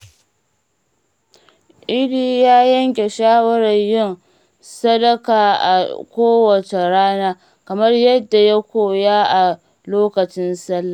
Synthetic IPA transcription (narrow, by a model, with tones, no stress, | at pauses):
ʔɪ˦ɽiː˦jaː˦jɐ˦ŋkʲe˨ʃaː˦wɐ˦ɾɐ˨ɲjɪ˦n | sɐ˦dɐ˦kaː˨ʔa̰˨kʷoː˦wɐ˨t͡ʃe˨ɾaː˦naː˦ | kɐ˨mɐ˦rjɐ˦dːa˨ja˦kʷoː˦jaː˦ʔa˨ | loː˦kɐ˨t͡ʃɪ˦nsɐ˦lːa˨